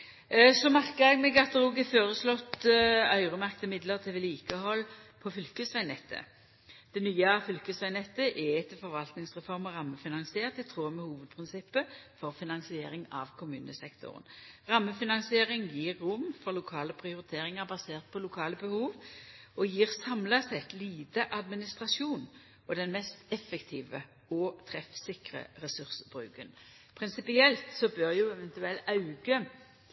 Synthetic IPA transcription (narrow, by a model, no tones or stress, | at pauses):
sɔmæʁkəɛːɡmɛɡɑt̪əʁuːɡəføːʁəslɔt̪œʏʁʊmæʁkt̪əmɪd̪ləʁt̪ʰeːʋɛliːkəhɔlːpʰɔfʏlkəsʋæɪnɛt̪ʰːə̰ | d̪̥ɛnyːəɑfʏlkəsʋæɪnɛt̪ːəʔɛɛt̪ːəfɔʁʋɑlt̪nɪŋsʁɛfɔʁməʁɑmːəfɪnɑnsɪeːʁt̪ɪt̪ʰʁoːməhuːʋəd̪̚pʰʁɪnsɪpːəfɔʁfɪnɑnsɪeːɾɪŋɑʋkʰʊmʉːnə̰sɛkt̪ʰʊ̰ʁə̰nʁɑmːəfɪnɑŋsɪeːʁɪŋjiːʁːʊmfɔʁlʊkʰɑːləpʰʁɪʊʁɪt̪ʰeːʁɪŋəʁbɑseːʁt̪̚pʰɔlʊkʰɑːləbəhuːʋɔjiːʁsɑmlɑsɛt̪liːd̪əʔɑd̪mɪnɪst̪ʁɑʃuːn | ɔd̪ɛnmɛst̪ɛfɛkt̪ʰiːʋə | ɔt̪ʰʁɛfsɪkʁə̰ʁɛsʉʁsəbʁʉ̰ːkən | pʰʁɪnsɪpɪɛlt̪sɔbøʁjʊɛʋɛnt̪ʉɛlt̪ɑʉɡə